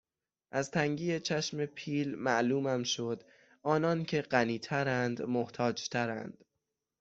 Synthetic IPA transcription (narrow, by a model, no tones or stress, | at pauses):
ʔæzt̪ʰæŋɟiːjet͡ʃʰæʃme̞pʰiːlmæʔluːmæmʃod̪ | ʔɒːnɒːncʰe̞ɢæniːt̪ʰæɾænd̪moht̪ʰɒːd͡ʒt̪ʰæɾæ̰nd̪̥